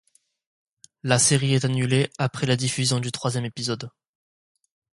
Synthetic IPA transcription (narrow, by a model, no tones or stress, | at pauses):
laseʁiɛt̪anyleapχɛlad̪ifyzjɔ̃d̪yt̪χwazjɛmepizɔd̪